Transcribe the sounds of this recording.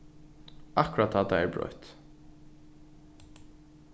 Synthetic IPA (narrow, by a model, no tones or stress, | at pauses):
ʔɑkɹɑt̪ɑːt̪̚d̪ææbɹœ̰ʏt̪